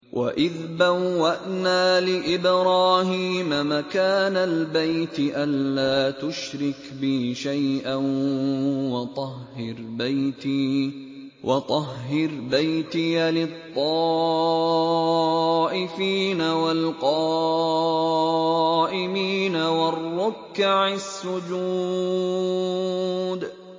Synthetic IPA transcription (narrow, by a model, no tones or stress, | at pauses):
wʔa̰ʔɪðbawːaʔnaːlɪʔɪbɾaːhiːmamakaːnalbajt̪ʔanːaːt̪ʊʃɾɪkbɪʃajʔan | wɑt̪ˤɑhːɪɾbajt̪iː | wʔɑt̪ˤɑɦːɪɾbajt̪ɪjalɪt̪ˤːɑː | ʔɪfiːnawalqɑ | ʔɪmiːnawɑrːʊkːaʕasːʊd͡ʒu | d̪